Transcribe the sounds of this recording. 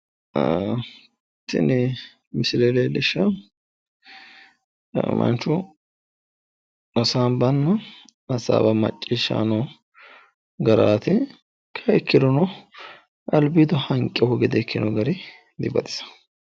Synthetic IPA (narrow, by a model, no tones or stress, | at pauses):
t̪ːɪ̰nɪ | mɪsɪleleːlɪʃːɐ | mɐ̰nt͡ʃːʊ | ɐsaːnbɐnːɐ | ɐsa̰ːbɐmɐ̰t͡ʃʼːɪʃa̰nɔ | ɡɐɾaːt̪ɪ | kʰɐɛkːɪd̪ɔnɔ | ʔɐlbid̪ɔhɐŋkʼːɛhɔɡɛd̪ɛkʰːɪnɔɡɐɾɪ | d̪ɪbɐd̪ɪ̥sɐ̥